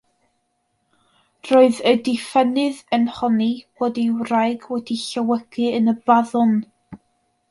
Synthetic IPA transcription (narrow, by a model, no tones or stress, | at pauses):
roɨðədɪfɛnɨðənhɔnib̥ɔːdiwrajɡwɛdiɬəwəɡ̥ɨənəbaðʊn